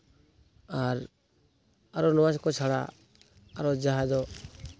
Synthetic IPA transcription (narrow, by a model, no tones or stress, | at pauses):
aɾ | aɾɔnɔwaskɔt͡ʃʰaɽa̰ | aɾɔd͡ʒaɦad͡ʒɔ